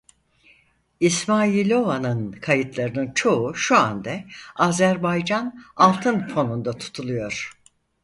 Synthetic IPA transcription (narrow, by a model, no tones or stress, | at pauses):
ismaːilʲo̞vanɯnkʰajɯt̪lˠaɾɯnɯnt͡ʃʰo̞uʃua̰nd̪ɛaːzæɾbajd͡ʒanalˠt̪ʰɯnpʰo̞nund̪at̪ʰu̥t̪ʰulˠujo̞ɾ̥